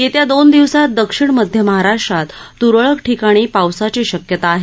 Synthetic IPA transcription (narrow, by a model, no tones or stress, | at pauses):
jet̪jad̪ond̪iʋsat̪̚d̪əkʂiɳməd̪ʱjəməɦaɾaʂʈɾat̪ːuɾəɭəkʈʰikaɽ̃iːpawsat͡ɕiːɕəkjət̪aːɦe